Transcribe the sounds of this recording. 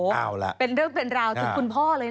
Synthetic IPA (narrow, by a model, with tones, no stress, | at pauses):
a˧l̰pe˧nɾɯː˥˩ŋpe˧nɾaː˧wt̪ʰu˨˩˦kʰu˧npʰɔː˥˩lɤː˧jn˥